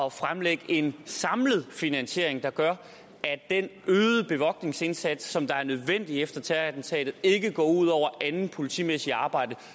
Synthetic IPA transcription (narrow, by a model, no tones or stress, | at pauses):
ɒfʁamleɡ̥əʔe̝nsɑ̈mləð̞̩ˠfinænɕe̝ɐ̰eŋd̥ɑ̈ɡ̥ɶɐ | æd̥enøːðˠəb̥e̝ʋɒ̽ɡ̥ne̝ŋse̝nsæd̥sːɒ̽md̥ɑ̈æɐnøð̞ˠʋen̰d̥iefd̥ɐt͡sʰæædn̩t͡sʰɛ̰ːd̥ð̞̩ˠe̝ɡ̥əɡ̥ɒ̰ːuð̞̰ˠɒʊ̰ɐʔænn̩pʰo̝lit͡sʰḭːmesiɑ̈ːb̥ɑ̈ɪ̰d̥ə